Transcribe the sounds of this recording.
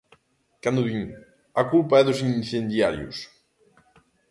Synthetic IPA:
kand̪uβiɲ | akulpaɛðusinθend̪jaɾjṵs

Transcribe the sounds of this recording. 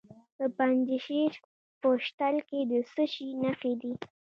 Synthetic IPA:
d̪əpand͡ʒɪʃet͡ʃ | pəʃt̪alked̪əsəʃinaxed̪i

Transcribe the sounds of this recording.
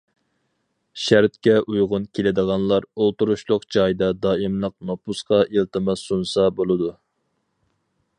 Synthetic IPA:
ʃæɾt̪kʲɛʔujʁʊnkʲʰelɪd̪əʁɑnlˠɑɾolˠt̪uɾuʃlˠʊqd͡ʒɑjd̪ɑd̪ɑːimlˠəq̚nopusqɑʔilˠt̪ɨmɑsunsɑbolˠɨd̪u

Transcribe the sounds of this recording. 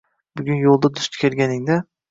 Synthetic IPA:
bʊɡʲʊnjolˠd̪ad̪ʊst̪ʰɪ̥kʲʰeɾɡʲanɪŋd̪a

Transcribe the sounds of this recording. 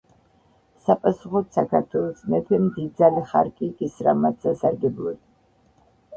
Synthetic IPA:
sapʼasuχɔt̪sakʰaɾt̪ʰwɛlˠɔsmɛp̪ʰɛmd̪id̪zaliχa̰ɾkʼiɡisɾa̰mat̪sasaɾɡɛblˠɔd̪

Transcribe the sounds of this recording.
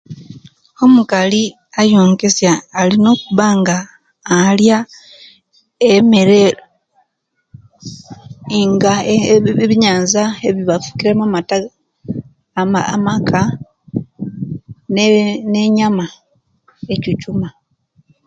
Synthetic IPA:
o̞mukali | ajoːŋke̞sjaːlino̞ːkuβaŋɡaː | lja | emeɾelo | ŋɡa | βiɲaːnzaeβiβafu̥kiɾe̞mamata | amakʰa | nne̞ɲama | e̞cicuma

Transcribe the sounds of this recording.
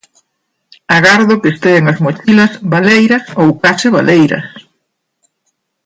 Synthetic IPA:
aɣaɾðʊkest̪eeŋɐzmot͡ʃilɐsβalejɾɐsowkasɪβa̰lʔejɾɐ̰s

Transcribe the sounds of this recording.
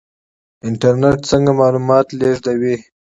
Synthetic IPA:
ɪɳʈaɾneʈsəŋɡamɑlumɑt̪leʐd̪awi

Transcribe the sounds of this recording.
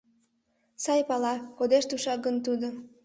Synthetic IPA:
sɑjpɑlɑkod̪eʃt̪uʃɑɡənt̪ud̪o

